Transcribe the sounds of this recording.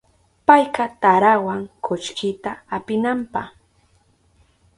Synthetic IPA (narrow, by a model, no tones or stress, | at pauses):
pajqɑt̪aɾawaŋkʰʊt͡ʃkɪt̪aːpɪnampɑ̰χ